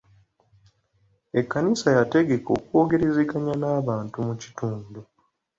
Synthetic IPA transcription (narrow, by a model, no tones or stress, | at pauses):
e̞kːanisajate̞ɡe̞ko̞̰ːkuo̞ɡe̞ɾe̞zeɡaɲanaːβaːntumuci̥tuːndu